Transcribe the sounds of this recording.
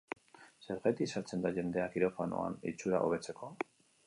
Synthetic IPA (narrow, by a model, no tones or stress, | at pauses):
seɾɣet̪isaɾt͡se̞nd̪aʝe̞nd̪e̞akiɾo̞fano̰a̰nit͡ʃuɾa̰ʔo̞β̞e̞t͡se̞ko̞